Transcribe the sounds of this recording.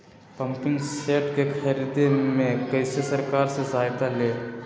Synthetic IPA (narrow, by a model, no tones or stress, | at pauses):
pəmpɪ̃ŋɡseːʈkekʰɐɾid̪emẽkəɪsesɐɾkaːɾsezaːjt̪aleː